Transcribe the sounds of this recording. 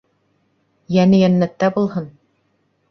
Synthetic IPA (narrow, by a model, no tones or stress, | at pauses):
jænɘjænːæt̪ːæbulˠɦɤn